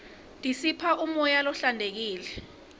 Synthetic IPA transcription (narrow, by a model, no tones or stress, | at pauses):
d̥ʱisipʰaʔumɔjalɔɬandʱek̬iːlɛ